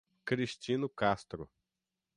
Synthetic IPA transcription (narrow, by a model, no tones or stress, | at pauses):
kɾiʃt͡ʃĩnʊkast̪ɾʊ̰